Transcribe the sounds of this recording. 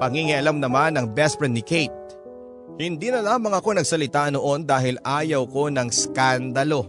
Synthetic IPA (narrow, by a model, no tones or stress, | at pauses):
pɐŋiŋiʔɐlamnɐmanɐŋbɛspɛnːɪkejt̪̚ | hɪnd̪iːnɐlaːmɐŋɐko̞nɐɡsɐlɪt̪ano̞ʔo̞nd̪aːɦɪlaːjɐwko̞nɐŋskand̪ɐlo̞